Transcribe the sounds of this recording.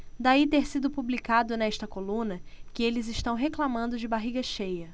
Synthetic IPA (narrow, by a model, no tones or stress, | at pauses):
d̪ait̪eɾsid̪ʊpublikad̪ʊnɛʃt̪ɐkolũnɐkɪelɪzɪʃt̪ɐ̃w̃ɦeklamɐ̃nd̪ʊd͡ʒɪbaɦiɡɐʃejɐ